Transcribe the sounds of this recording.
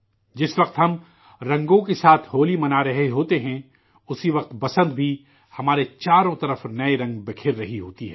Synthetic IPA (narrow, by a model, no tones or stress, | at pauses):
d͡ʒɪsʋɐq̚t̪ɦɐm | ɾɐ̃ŋɡõkesaːt̪ʰɦoːlimɐnaɾɐɦeɦoːt̪eɦɛ̃ | ʊsiʋɐq̚t̪bɐsə̃nd̪bʱi | hɐmaːɾet͡ʃaːɾõt̪ɐɾəfnɐeɾɐ̃ŋɡbɪkʰɪɾːɐɦiɦoːt̪iɦɛː